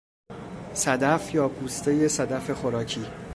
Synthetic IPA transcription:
sæd̪æfjɒːpʰuːst̪ʰeje̞sæd̪æfe̞xo̞ɾɒːcʰiː

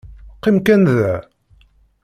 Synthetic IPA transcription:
qːimkænðæ

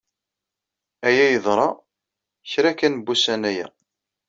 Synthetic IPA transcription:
æjæjəðˤɾˤɑ | çɾækænbusænæjæ̰

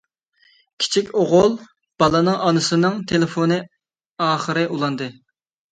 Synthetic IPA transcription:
kʲʰi̥t͡ʃʰikʲoʁʊlˠ | b̥ɑlˠɨnɨŋʔɑnɨsɨnɨŋt̪ʰelɪfonɨ | ɑːχəɾɨʔulˠɑnd̪ɨ

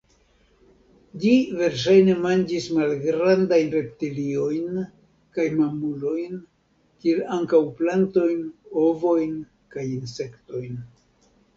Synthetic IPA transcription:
d͡ʒive̞ɾʃ̬ajne̞mand͡ʒismalɡɾandajnɾe̞p̚tilio̞jn | kajmamulo̞jn | kielaŋkawplanto̞jno̞vo̞jn | kajinse̞kto̞jn

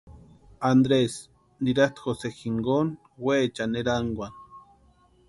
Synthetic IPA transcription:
and̪ɾes | niɾaht̪xosexiŋɡon | wet͡ʃaneɾaŋɡʷan

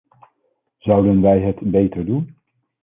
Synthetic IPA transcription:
zʌwdənʋɛjɦətbejtəɹdun

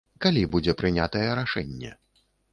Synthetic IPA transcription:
kalʲibud͡zʲɛpɾɨnʲat̪ɐjɛɾaʂɛnʲːɛ̰

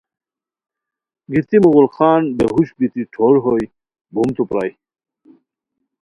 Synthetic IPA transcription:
ɡit̪imuɣulxaːnbeɦuɕbit̪iʈ͡ʂʰoɾɦoj | bʱumt̪upɾa̰ːj

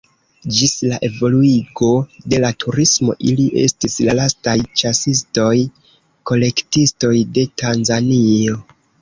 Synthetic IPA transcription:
d͡ʒislaʔe̞vo̞luiɡo̞de̞latʰuɾismo̞̰ʔiliʔe̞̰stislalastajt͡ʃasisto̞j | ko̞le̞ktisto̞jde̞tanzanio̞

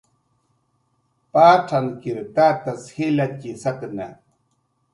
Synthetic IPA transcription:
paːʈ͡ʂʰankiɾt̪aːt̪ashilacisak̪na

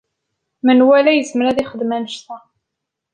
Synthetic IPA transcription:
mənwælæjəzməɾæðiχəd̪mænəʃt̪æ

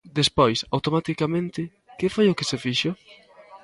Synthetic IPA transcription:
d̪espojsawt̪omat̪ikamẽnt̪ɪ | kɪfojʊkesefiʃo

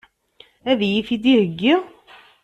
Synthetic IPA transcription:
æðjifid̪ihəɡːiʁ

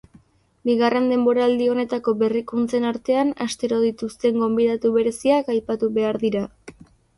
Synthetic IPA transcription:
biɣare̞nd̪e̞mbo̞ɾaːld̪io̞ne̞t̪ako̞βe̞rikunt͡se̞naɾt̪e̞anast̪e̞ɾo̞ð̞it̪ust̪e̞ŋɡo̞mbiðat̪uβe̞ɾe̞siakajpat̪uβe̞aɾðiɾa

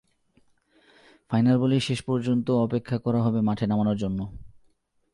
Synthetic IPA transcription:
fajnalboliʃeʃpɔɾd͡ʑont̪oɔpekʰːakɔɾaɦɔbemaʈʰenamanoɾd͡ʑonːo

